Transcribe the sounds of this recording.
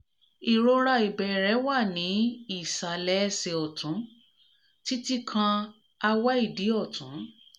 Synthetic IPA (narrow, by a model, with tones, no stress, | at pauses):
i˨ɾo˧ɾa˧i˨bɛ˨ɾɛ˨˦wa˦˨nĩ˨˦i˦˨sa˨lɛ˨˦˧se˧ɔ˨tũ˨˦ | ti˦ti˦kʰã˧ | a˧wa˦i˦˨di˨˦ɔ˦˨tʰũ˨˦